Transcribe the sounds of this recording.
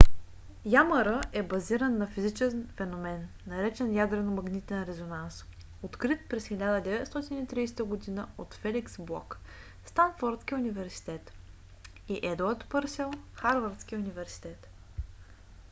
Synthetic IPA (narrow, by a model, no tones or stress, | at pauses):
jaməɾəʔɛbɐziɾənːɐfizit͡ʃɛnfɛnomɛnːɐɾɛt͡ʃɛnjad̪ɾɛnomɐɡnit̪ɛnɾɛzonans | ot̪kɾit̪̚pɾɛsxilʲad̪əd̪ɛvɛt̪st̪ɔt̪init̪ɾiːsɛ̥t̪əɡod̪inəot̪fɛliksblˠɔ̰k | st̪anfɔɾt̪sk̟iunivɛɾsi̥t̪ɛt̪ | iʔɛd̪uəɾt̪pɤɾsɛlˠxaɾvəɾt̪sk̟iunivɛɾsi̥t̪ɛt̪